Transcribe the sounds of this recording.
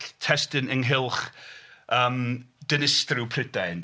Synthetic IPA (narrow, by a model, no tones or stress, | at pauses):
tʰɛstɨnəŋɦɪlˠχ | əːmd̥ənɪstrɨwpʰrɪdajn